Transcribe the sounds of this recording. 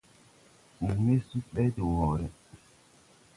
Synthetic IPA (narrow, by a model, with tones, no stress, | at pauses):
u˨me˦su˦ɓɛ˦de˨wɔ˨ɾɛ˨